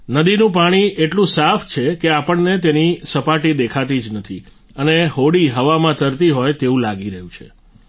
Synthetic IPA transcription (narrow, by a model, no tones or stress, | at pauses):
nəd̪inũpaɽ̃iʔeʈlũsaft͡ʃʰekeapəɳnet̪̬enisəpaʈid̪ekʰat̪id͡ʒnət̪ʰi | əneɦoɽiɦəʋamãt̪əɾt̪iɦojt̪eũlaɡiɾəɦũt͡ʃʰḛ